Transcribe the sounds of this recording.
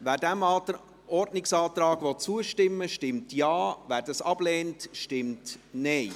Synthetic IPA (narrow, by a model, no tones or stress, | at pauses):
væːɾdæmɑːt | ɔɾdnɪksɑːt̪ɾɑːɡ̥ʋɔt͡suəʃtɪmːəʃtɪmtjɑːvæːɾdɑsɑb̥leːntʃtɪmtneɪ